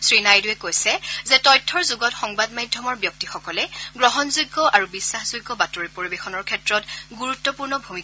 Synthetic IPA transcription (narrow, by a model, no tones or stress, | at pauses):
sɹinajdʊɛkojsɛzɛtɔjtʰːɔɹzuɡɔtxɔŋbadmajdʱjɔmɔɹbjɔk̚tixɔkɔlɛɡɹɔɦɔnzujɡːɔʔaɹubisːaxzujɡːɔbatoɹipoɹibexɔnɔɹkʰɛtɹɔtɡuɹutːɔpuɹnɔbʱumik